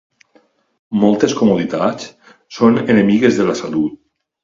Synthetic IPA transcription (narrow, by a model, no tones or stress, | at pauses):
mɔlˠt̪eskomuðit̪at͡s | sonenemiɣezðelasalut̪̚